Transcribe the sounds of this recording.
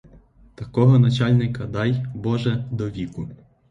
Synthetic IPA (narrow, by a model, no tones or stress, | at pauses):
t̪ɐkɔɦɔnɐt͡ʃɑlʲnɪkɐd̪ɑjbɔʒɛd̪ɔʋʲikʊ